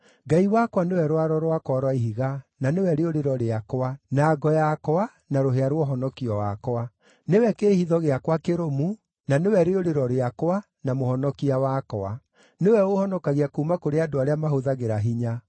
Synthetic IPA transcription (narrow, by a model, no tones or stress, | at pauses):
ɡaiwakwanewɛɾwaɾɔɾwakwaɾwaiɦiɣananewɛɾeoɾeɾɔɾeakoanaːɡɔjakɔa | naɾoɦeaɾwɔɦɔnɔkiɔwa̰koa | newɛkeːhiðɔɣeakwakeɾomu | nanewɛɾeoɾeɾɔɾeakwa | namohɔnɔkiawakɔa̰ | newɛohɔnɔkaɣiakuːmakoɾeadoaɾeamaɦoðaɣeɾaɦiɲa